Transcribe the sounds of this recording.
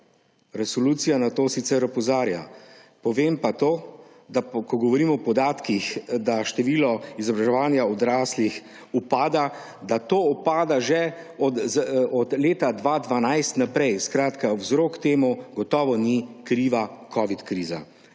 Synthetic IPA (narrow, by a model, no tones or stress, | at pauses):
ɾɛsɔluːt̪sijanat̪oːsit̪sɛɾɔpɔzaːɾja̰pɔʋeːmpat̪oː | d̪akɔɡɔʋɔɾiːmɔːpɔd̪aːt̪kixd̪aʃt̪ɛʋiːlɔizɔbɾaʒɛʋaːnjaɔd̪ɾaːslix | upaːd̪a | d̪at̪oːupaːd̪aʒɛ | ɔd̪zɔd̪leːt̪ad̪ʋad̪ʋanajst̪napɾɛjskɾaːt̪kawzɾoːkt̪eːmuɡɔt̪ɔːʋɔnikɾiːʋakʰɔːʋit̪kɾiːza̰